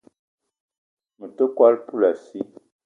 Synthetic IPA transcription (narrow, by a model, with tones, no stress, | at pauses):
mə˨tə˦kwa˦lpu˦la˨si˦